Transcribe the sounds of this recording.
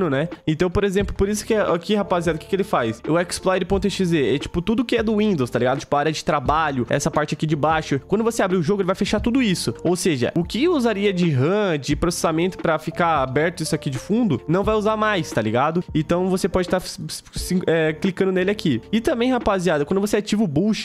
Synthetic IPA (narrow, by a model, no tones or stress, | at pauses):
nʊnɛẽnt̪ɐ̃w̃poɾezẽmplʊpoɾisʊ̥kɪɛakihapaziad̪ʊkɪ̥kelɪfajsʊɛksplɔjɾɪpõt̪ẽt͡ʃɪd͡ʒɪzeɾɛt͡ʃi̥pʊt̪ud̪ʊʊkɪɛd̪ʊwĩnd̪owst̪aliɡad̪ʊt͡ʃi̥pʊaaɾjɐd͡ʒɪt̪ɾabaʎʊɛ̰sɐpaɾt͡ʃɪakid͡ʒɪbaʃʊkwɐ̃nd̪ʊvoseabɾiʊʒoɡʊelɪvajfeʃat̪ud̪ʊisʊowseʒɐ̰ʔʊkɪuzaɾiɐd͡ʒɪɦɐ̃d͡ʒɪpɾose̥samẽnt̪ʊ̥pɾɐfikaabɛɾt̪ʊisʊakid͡ʒɪfũd̪ʊnɐ̃w̃vajuzaɾmajst̪aliɡad̪ʊẽnt̪ɐ̃w̃vosepɔd͡ʒɪt̪aɾsĩɛklikɐ̃nd̪ʊnelɪakiɪt̪ɐ̃mbẽj̃hapaziad̪ɐkw̃d̪ʊvoseat͡ʃivʊbuʃ